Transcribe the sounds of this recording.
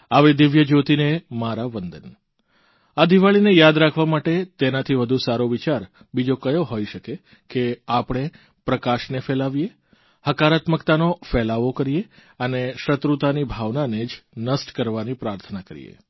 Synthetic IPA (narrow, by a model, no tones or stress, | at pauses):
aʋed̪ɪʋjəd͡ʒot̪inemaɾaʋənd̪ən | ad̪iʋaɭinejad̪ɾakʰʋamaʈet̪enat̪ʰiʋəd̪ʱusaɾoʋit͡ʃaɾ | bid͡ʒokəjoɦojʃəke | keapɽ̃e | pɾəkaʃnefelaʋije | həkaɾat̪məkt̪anofɛlaʋokəɾije | əneʃət̪ɾut̪anibʱaʋnaned͡ʒnəsʈkəɾʋanipɾaɾt̪ʰənakəɾḭjḛ